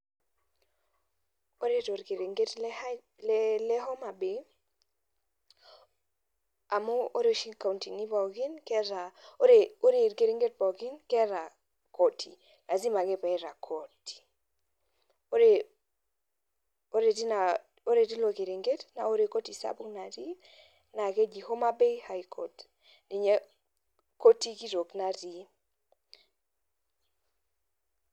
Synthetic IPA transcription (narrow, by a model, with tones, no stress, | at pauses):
o˦ɾe˦to˨ɾke˨ɾe˨ŋɡe˦tlɛ˦ | lɛlɛ˦ɦɔ˦ma˨be˨ | a˨mo˦o˦ɾe˦o˨ʃi˦ka˨u˨nti˨ŋi˦ba˨ɡi˦nkɛ˦ɾa˨˦ɾe˨o˦ɾe˨ɾke˨ɾi˦ŋɡe˦t̚bɔ˨ɡi˦nkɛ˦ɾa˨ | ko˨tʰi˨ | la˨zi˦ma˨ɡe˦pɛ˨ɛ˦ɾa˨kʰo˨ti̥˨ | o˦ɾe˨ | o˦ɾe˨di˦na˨ | o˦ɾe˨ti˦lo˨ke˨ɾi˨ŋɡe˦tna˨o˦ɾe˨ko˦ti˨sa̰˦bu˦ŋna˨ɾi˦ | na˨ke˦d͡ʒi˨ho˦ma˦be˦ha˦i˨kʰo̰˨t | ni˨ɲe˦ | ko˦ti˦ki˦ɾo˨kna˦ɾi˨˦